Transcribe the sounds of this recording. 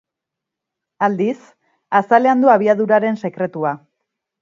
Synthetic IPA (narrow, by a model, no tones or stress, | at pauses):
ald̪is | asale̞and̪uaβ̞iaðuɾaɾe̞nse̞kɾe̞t̪ua